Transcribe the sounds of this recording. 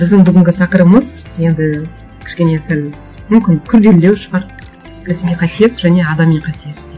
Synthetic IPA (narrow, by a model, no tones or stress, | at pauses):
bɪzd̪ɪŋbʏɡʲɪŋʲɡʲɪt̪ʰɑqəɾəməz | je̞nd̪ɪ | kʲʰɪ̥ʃkʲe̞ne̞sæl | mʏmkʲɪnkʲʰʏɾd̪e̞lːe̞wʃəʁɑɾ | kʰʲæsmijqʰɑsije̞t̪ʒ̥æne̞ɑd̪ɑmijqʰɑsije̞t̪